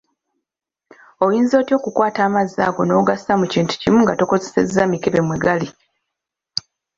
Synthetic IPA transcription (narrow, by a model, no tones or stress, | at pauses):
o̞jiːnzo̞ːtjo̞ːkukwaːtaːmaza̰ːɡo̞no̞ɡasamuciːntu̥cimuŋɡato̞ko̞zese̞̰zamikeβe̞mweɡali